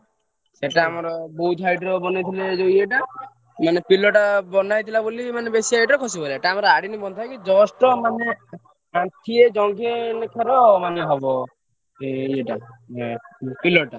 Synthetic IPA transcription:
seʈaːmɔɾɔbɔɦut̪ɦajʈɾɔbɔnajt̪ʰiled͡ʒojeʈa | manepilɔʈabɔnajt̪ʰilabolimanebesiɦajʈɾɔkʰɔsibɔleeʈaːmɔɾɔaɽinibɔnt̪ʰajkid͡ʒɔsʈɔmane | ãt̪ʰied͡ʒɔŋɡenkʰɔɾɔmaneɦɔbɔ | ieʈa | pilɔʈa

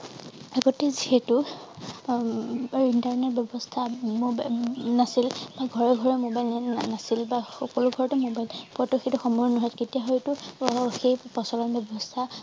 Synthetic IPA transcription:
aɡoteziɦɛtʊ | intaɹnet̚bjɔbɔstʰamobanasilbaɡʱɔɹɛɡʱɔɹɛmobajlnasilbaxɔkɔlʊɡʱɔɹɔtumobajlpuatuxetuxɔmɔjnɔɦɔjketijaɦɔjtʊxepɔsɔlɔnbjɔbɔstʰa

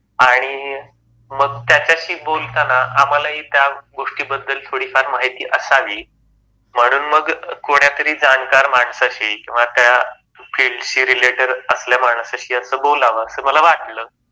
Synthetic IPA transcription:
aɽ̃i | məɡ̚t̪jat͡ɕjaɕiːbolt̪anaʔam̤alaɦiːt̪jaɡoʂʈiːbəd̪ʱːəlt̪ʰoɽiːkʰaɾmaɦit̪ḭːʔəsaʋiː | m̤əɽ̃uːnməɡkoɳ̃jat̪əɾiːd͡zankaɾmaɳsaɕikĩw̃ʋat̪ja | fʰiɭɖɕiːɾileʈəɾəsljamaɳ̃saɕiːəsəːbolaʋəəsəːməlaʋaʈləː

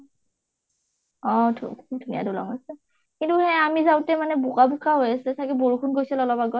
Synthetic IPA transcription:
ɔ̃d̰ʰdʱunija̰dulɔ̰ŋasɛ | kintuhɛ̃amizawtɛmanɛbukabukʰaɦojasilɛsakiboɹukʰunɡojsɛlɔlɔbaɡɔj

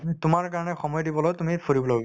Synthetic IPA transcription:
tʊmaɹkaɹɔnɛxɔmɔjdibɔlojtumipʰoɹibɔlo

